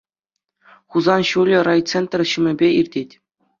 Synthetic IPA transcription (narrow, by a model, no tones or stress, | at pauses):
χuzɑnɕulʲɘ̆rɑjt̪t͡sent̪rʲɕɯ̆mʲɘ̆bʲeirʲdʲetʲ